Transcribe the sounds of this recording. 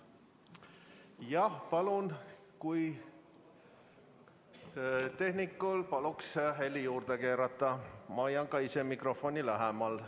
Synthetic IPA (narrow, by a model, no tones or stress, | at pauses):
jɑhpɑlun | kuj | t̪e̞hnikːˑulpɑluksɦelʲːijuːrd̪̥eke̞ːɾɑt̪ːˑɑmɑɑjɑŋkɑise̞mikro̞fonʲilæɦemɑl